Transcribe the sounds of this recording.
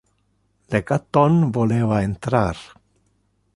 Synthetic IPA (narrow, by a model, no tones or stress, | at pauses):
lekat̪onvoleβaent̪ɾaɾ